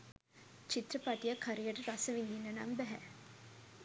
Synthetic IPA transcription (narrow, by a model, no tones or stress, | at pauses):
t͡ʃit̪rɐpɐʈijɐkʰːaɾijɐʈɐɾasəʋind̪inːɐna̰mbæɦɛ